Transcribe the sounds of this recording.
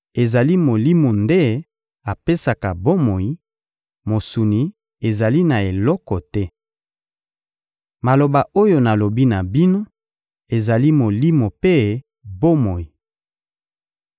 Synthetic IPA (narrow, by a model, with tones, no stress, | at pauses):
e˨za˨li˦mo˨li˦mo˨nde˦ | a˨pe˦sa˨ka˨bo˦mo˨ji˨˦ | mo˨su˨ni˨ | e˨za˨li˦na˨e˨lɔ˦kɔ˨tɛ˦ | ma˨lo˨ba˨o˦jo˨na˨lo˨bi˦na˨bi˦no˦ | e˨za˨li˦mo˨li˦mo˨pe˦ | bo˦mo˨ji˨